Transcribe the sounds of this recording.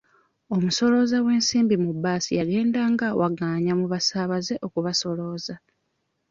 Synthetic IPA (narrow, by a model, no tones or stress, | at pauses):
o̞muso̞lo̞zawe̞ːnsiːmbimubːaːsḭjaɡe̞ːndaŋɡawʔaɡaːɲamuβasaːβaze̞ʔo̞kuβaso̞lo̞ːza